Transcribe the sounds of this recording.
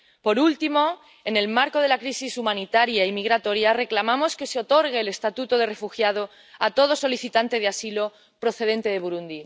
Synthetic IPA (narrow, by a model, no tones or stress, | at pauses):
po̞ɾult̪imo̞ | e̞ne̞lmaɾko̞ð̞e̞lakɾisisumãnit̪aɾjaimiɣɾat̪o̞ɾjare̞klamamo̞ske̞seo̞t̪o̞ɾɣeːlest̪at̪ut̪o̞ð̞e̞re̞fuxjað̞o | at̪o̞ð̞o̞so̞liθit̪ant̪e̞ðeasilo̞ | pɾo̞θe̞ðe̞nt̪e̞ð̞e̞βuɾund̪i